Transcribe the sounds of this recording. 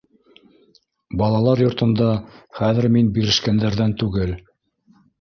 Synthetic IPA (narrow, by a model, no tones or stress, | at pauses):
bɑlˠɑlˠɑɾjŏɾt̪ɤ̆nd̪ɑχæðɘɾminbiɾɘ̆ʃkænd̪æɾðænt̪ʉɡɘl